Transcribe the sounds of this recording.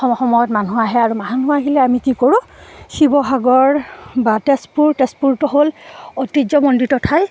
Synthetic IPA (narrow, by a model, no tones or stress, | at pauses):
ɔɔxɔmɔjɔtmanuaɦɛaɹumaɦanuaɦilɛamikikoɹʊ̃xibɔɦaɡɔɹbatespuɹtespuɹtuɦolotid͡ʒɔmɔnditɔtʰaj